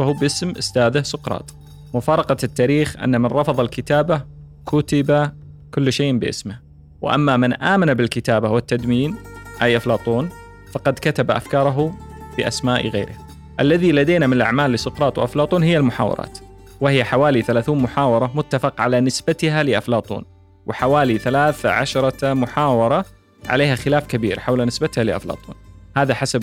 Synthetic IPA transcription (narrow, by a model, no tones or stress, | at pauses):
fahuːbʔɪsmʔʊ̰st̪aːðɪhsʊqɾˤɑ̰ːt̪ˤ | mʊfɑːɾˤɑqɑt̪ːaːɾiːxʔa̰nːamɪnɾˤɑfɑðˤɑlkɪt̪aːba | kʰʊt̪ɪba | kʊlːʃeːʔbɪʔɪ̰smɪh | wɪ̰ʔa̰mːamɪnʔaːmanabɪlkɪt̪aːbawɪt̪ːad̪miːnʔajʔaflɑːt̪ˤuːn | fɑqɑd̪kat̪abaʔa̰fkɑːɾˤɑɦubɪʔa̰smaːʔɣḛːɾɪh | ʔalːaðilad̪eːnamɪnɪlʔa̰ʕmaːlːɪsʊqɾˤɑːt̪ˤwʔaflɑːt̪ˤuːnhɪjːalmʊħa̰ːwɑ̰ɾˤɑ̰ːt̪ | wɪhɪjːaħawaːliθalaːθuːnmʊħaːwɑɾˤɑmʊt̪ːafɪqʕalanɪsbat̪ɪɦalɪʔaflɑːt̪ˤṵːn | wɪħawaːliθalaːθa̰ʕa̰ʃɾˤɑmʊħaːwɑɾˤɑ | ʕa̰leːhaxɪlaːfkabḭːɾħawlanɪsbat̪halɪʔa̰flɑ̰ːt̪ˤṵːnhaːðaħasab